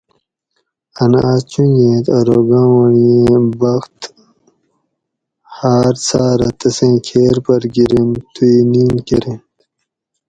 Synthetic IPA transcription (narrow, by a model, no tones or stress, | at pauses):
ɐnaːt͡ɕũjẽːt̪aɾoːɡãːwɐɳijẽbɐxt̪ | haːɾt͡saːɾɐt̪ɐsẽːkʰeːɾpɐɾɡiɾimt̪ʰuiniːnkeɾi